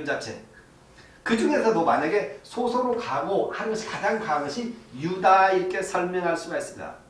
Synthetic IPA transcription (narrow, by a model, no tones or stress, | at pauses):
d͡ʑat͡ɕʰe̞̰ | kɯd͡ʑuŋe̞sʰʌmʌmaɲaɡe̞sʰosʰʌɾokaɡohanɯɡʌɕʰi̥kad͡ʑaŋkaŋɯɕʰijudaik͈e̞sʰʌɭmjʌŋɦaɭs͈uɡais͈ɯmɲḭda̰